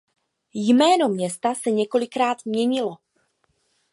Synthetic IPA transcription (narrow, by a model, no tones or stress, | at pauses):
jmɛːno̞mɲɛst̪asɛɲɛko̞lɪkɾaːt̪mɲɛɲɪlo̞